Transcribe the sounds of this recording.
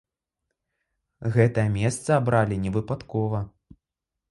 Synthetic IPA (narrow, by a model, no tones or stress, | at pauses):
ɣɛt̪ɐjɐmʲɛst̪sɐabɾalʲinʲɛvɨpat̪kɔvɐ